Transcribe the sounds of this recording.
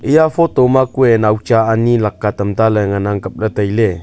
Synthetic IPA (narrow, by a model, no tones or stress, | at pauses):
ʔijafot̪omakuenaut͡ʃaːnilakːat̪əmt̪aləŋənaŋkəp̚lət̪əile